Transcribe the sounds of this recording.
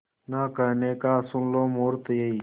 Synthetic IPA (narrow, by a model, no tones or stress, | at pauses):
naːkəneːkaːsʊnloːmoːɾt̪jei